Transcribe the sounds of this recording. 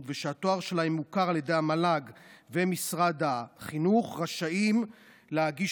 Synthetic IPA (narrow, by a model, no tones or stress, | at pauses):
veʃeat̪o̞aʁʃe̞laemːukaʁalje̞d̪e̞jamalaɡvemisʁad̪aχinuχʁaʃaim | leaɡi